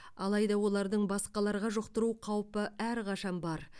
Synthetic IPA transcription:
ɑlˠɑjd̪ɑwo̞lˠɑɾd̪əɴbɑsqɑlˠɑɾʁɑʒʊqt̪əɾuqʰɑwpəæɾqʰɑʃɑnbɑɾ

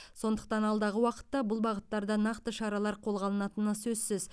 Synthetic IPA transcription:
so̞nd̪əq̚t̪ɑnɑlˠd̪ɑʁəwɑqə̥t̪ːɑbʊlˠbɑʁət̪ːɑɾd̪ɑnɑqt̪əʃɑɾɑlˠɑɾqʰo̞lˠʁɑlˠənɑt̪ənəsɵzsɪz

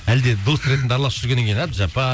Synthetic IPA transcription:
æld̪e̞d̪o̞st̪ɾe̞t̪nd̪əɑɾlˠɑsʒʏɾɡʲe̞neŋkʰejnɑpʒɑpɑ

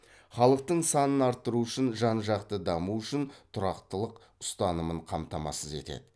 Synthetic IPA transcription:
χɑlˠəq̚t̪əɴsɑnənɑɾt̪ːəɾuʏʃɪnʒɑnʒɑqt̪əd̪ɑmuʏʃɪnt̪ʰʊɾɑqt̪əlˠəq | ʊ̥st̪ɑnəməɴqʰɑmt̪ɑmɑ̰səze̞̰t̪e̞̰d̪ɪ

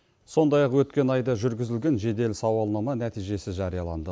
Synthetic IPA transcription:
so̞nd̪ɑjɑqwɵt̪kʲe̞nɑjd̪ɑʒʏɾɡʲɪzɪlɡʲe̞nʒe̞d̪e̞lsɑwɑlˠnɑmɑnæt̪ijʒe̞sɪʒɑɾijɑlˠɑ̰nd̪ə

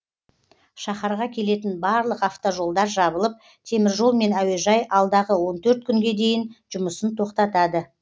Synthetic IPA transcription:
ʃɑχɑɾʁɑkʲʰe̞le̞t̪ɪnbɑɾlˠəqɑft̪oʒo̞lˠd̪ɑɾʒɑbəlˠəp̚ | t̪ʰe̞mɪɾʒo̞lˠme̞næwe̞ʒɑjʔɑlˠd̪ɑʁəwo̞nt̪ʰɵɾt̪̚kʲʰʏŋɡʲe̞d̪e̞jɪnʒ̥ʊməsənt̪ʰo̞qt̪ɑt̪ɑd̪ə

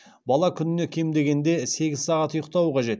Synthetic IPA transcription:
bɑlˠɑkʲʰʏnɪne̞kʲʰe̞md̪e̞ɡʲe̞nd̪e̞se̞ɡʲɪzsɑʁɑt̪ʊjəq̚t̪ɑwəqʰɑʒe̞t̪

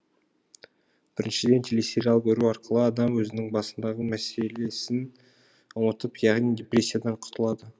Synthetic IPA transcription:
b̥ɪɾɪnʃɪd̪e̞nt̪ʰeleseɾʲɑlˠbeɾuɑɾqəlˠəɑd̪ɑmwɵzɪnɪŋbɑsənd̪ɑʁəmæse̞le̞sɪn | wot̪əpjɑʁnijd̪ʲeprʲe̞sʲːijad̪ɑɴqʰʊt̪ʰəlˠɑd̪ə

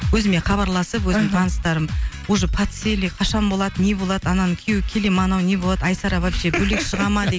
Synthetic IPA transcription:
wɵzɪme̞χɑβɑɾlˠɑsəpwɵzɪmt̪ʰɑnəst̪ɑɾəmwoʒəpʰat̪selʲijqʰɑʃɑnbo̞lˠɑd̪əne̞bo̞lˠɑd̪̥əɑnɑnkʲʰewɪkʲʰelemɑnɑwne̞bolˠɑd̪əɑjsɑɾɑbɑpʒebɵlekʃəʁɑmɑd̪e

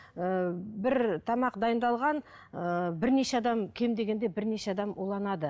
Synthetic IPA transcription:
əbɪɾt̪ʰɑmɑqd̪ɑjənd̪ɑlˠʁɑn | əbɪɾne̞ʃeɑd̪ɑmkʲʰe̞md̪e̞ɡʲe̞nd̪e̞bɪɾne̞ʃeɑd̪ɑmulˠɑnɑd̪ə

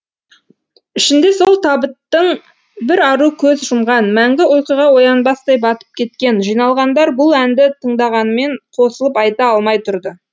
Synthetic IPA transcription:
ʏʃɪnd̪e̞so̞lˠt̪ʰɑbət̪ːəɴ | bɪɾɑɾukʲʰɵzʒʊmʁɑnmæŋɡʲɪolqijʁɑwo̞jɑnbɑst̪ɑjbɑt̪ə̥p̚kʲʰe̞t̪̚kʲe̞nʒijnɑlˠʁɑnd̪ɑɾbʊlˠænd̪ɪt̪ʰəɴd̪ɑʁɑnəme̞ɴqʰo̞səlˠəpɑjt̪ɑɑlˠmɑjt̪ʰʊɾd̪ə

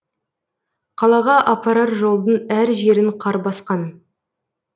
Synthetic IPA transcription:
qʰɑlˠɑʁɑʔɑpɑɾɑt̪ʒo̞lˠd̪ənæɾʒe̞ɾɪɴqʰɑɾbɑsqɑn

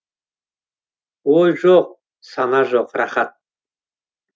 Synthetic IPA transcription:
ɔjʒɔq̚ | sanaʒɔqɾaχat̪̚

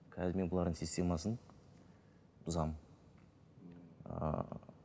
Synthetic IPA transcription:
kʲʰæd̪ɪme̞bʊlˠɑɾd̪əɴsisʲt̪ʰʲe̞mɑsən | ʊzɑm

